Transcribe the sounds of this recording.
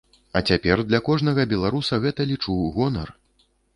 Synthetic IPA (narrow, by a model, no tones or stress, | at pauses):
ɐ̰t͡sʲapʲɛrd̪lʲɐkɔʐnɐɣɐbʲɛlˠaɾusɐɣɛt̪ɐlʲit͡ʂuwɣɔnɐ̰r